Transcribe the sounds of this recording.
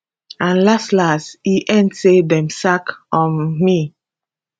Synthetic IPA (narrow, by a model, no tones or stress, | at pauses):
ãnlastlastiʔɛ̃ntsedɛ̃msakɔ̃nmi